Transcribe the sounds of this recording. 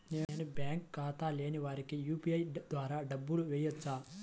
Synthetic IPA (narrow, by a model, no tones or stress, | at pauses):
neːnubjaːŋkːaːt̪aːle̞ːniʋaːɾikijuːpiɐjd̪ʋaːɾaːɖɐbːuluʋɛːjɐt͡ʃːaː